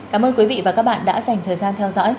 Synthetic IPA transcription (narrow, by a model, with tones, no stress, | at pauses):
kaː˨˦mʔəː˧nkwi˨˦vḭ˧˨vaː˨˩kaː˦˥k̚ɓa̰ː˧˨nɗa̰ː˧˥za˨˩jŋ̟t̪ʰəː˨˩jzaː˧nt̪ʰɛ˧wzɔ̰˧˥j